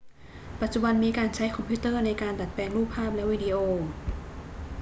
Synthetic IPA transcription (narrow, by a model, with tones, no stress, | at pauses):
pa˨˩t̪̚t͡ɕu˨˩ba˧nmiː˧kaː˧nt͡ɕʰa˦˥jkʰɔ˧mpʰiː˦˥t̪ɤː˥˩na˧jkaː˧nda˨˩t̪̚pɛː˧ŋluː˥˩pʰːaː˥˩p̚lɛ˦˥ʔwiː˧di˧ʔoː˧